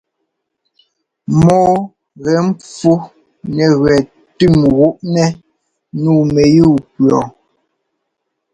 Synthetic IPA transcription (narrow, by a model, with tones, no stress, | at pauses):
mɔː˦ | ɣɛ˨˦m̩˦p͡fu˦ | nɛ˨ɣwɛ˨ | tʉ˦˨mɣu˦ʔnɛ˦ | nuː˦˨mɛ˨juː˦˨pɰɔ˨